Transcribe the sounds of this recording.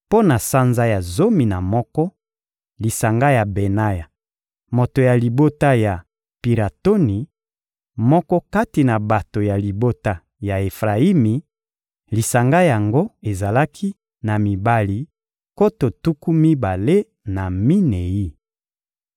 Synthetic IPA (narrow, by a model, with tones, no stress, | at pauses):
po˦na˨sa˦nza˦ja˨zo˦mi˨na˨mɔ˦kɔ˦ | li˨sa˨ŋɡa˦ja˨be˨na˦ja˨ | mo˨to˨ja˨li˨bo˦ta˦ja˨ | pi˨la˨to˦ni˨ | mɔ˦kɔ˦ka˦ti˨na˨ba˨to˨ja˨li˨bo˦ta˦ | ja˨e˨fʁa˨i˦mi˨ | li˨sa˨ŋɡa˦ja˨ŋɡo˦e˨za˨la˦kʰi˦ | na˨mi˨ba˦li˦ | ko˦to˨tu˦ku˦mi˦ba˨le˦ | na˨mi˦ne˨ji˦